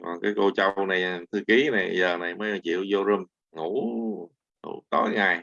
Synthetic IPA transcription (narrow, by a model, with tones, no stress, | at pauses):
kɔ˨˩nkaː˨˦jko˧t͡ɕə˧wna˨˩jt̪ʰɨ˧ki˨˦na˨˩jzəː˨˩na˨˩jməː˨˦jt͡ɕḭ˧˨əwzo˧zə˧m | ŋu˧˥ | ŋṵ˧˩t̪o˨˦jŋa˨˩j